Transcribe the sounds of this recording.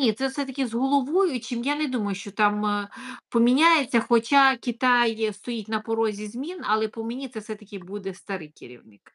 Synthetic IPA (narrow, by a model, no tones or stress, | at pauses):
nʲit̪sɛwsɛt̪ɐkʲɪzɦɔlˠɔʋɔjʊt͡ʃɪmjanɛd̪umɐjʊʃt͡ʃɔt̪ɑmpɔmʲinʲajet͡sʲːɐxɔt͡ʃɑkʲit̪ɑjst̪ɔjitʲnɐpɔɾɔzʲizʲmʲinɐ̰lˠɛpɔmenʲit̪sɛfsɛt̪ɐkʲɪbud̪ɛst̪ɐɾɪjkʲɪɾʲḭwnɪk